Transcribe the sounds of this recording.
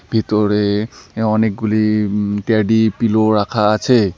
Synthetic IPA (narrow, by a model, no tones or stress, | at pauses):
bʱitɔɹɛɔnek̚ɡulitjadipilɔɹakʰaːsʰe